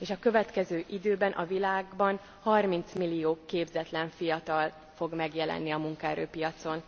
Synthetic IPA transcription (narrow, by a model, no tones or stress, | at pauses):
eːʃɒkø̞vɛt̪kɛzøːʔid̪øːbɛnʔɒvilaːɡbɒn | hɒrmint̪smilːijoːkeːbzɛt̪lɛɱfijɒt̪ɒl | fo̞ɡmɛɡjɛlɛ̰nːiɒmuŋkɒɛɾø̰ːpijɒt̪so̞n